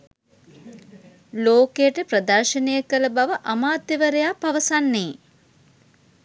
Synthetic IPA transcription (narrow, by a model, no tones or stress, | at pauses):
loːkejəʈəpɾəd̪ɐrʃənejəkələbaʋəʔamaːt̪jeʋəɾejaːpaʋəsanːeː